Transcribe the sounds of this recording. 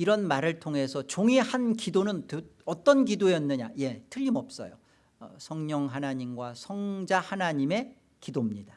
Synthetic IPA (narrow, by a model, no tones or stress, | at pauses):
iɾʌnmaɾɯɭtʰoŋɦe̞sʰʌt͡ɕoŋihankidonɯntɯʌt͈ʌnkidojʌnːɯɲaje̞tʰɯʎːimʌp̚s͈ʌ̰jo | sʰʌŋɲʌŋɦanaɲimɡwasʰʌŋd͡ʑahanaɲime̞ | kidomɲida